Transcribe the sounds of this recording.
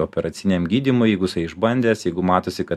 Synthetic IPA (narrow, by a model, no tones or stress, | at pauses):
oːpʲɛɾɐt̪sʲɪnʲeːmɡʲiːd̪ʲimʊjɛɪɡʊsɐɪɪʒbɐnʲd̪ʲeːsjɛɪɡʊmɑːt̪oːsʲɪkɐ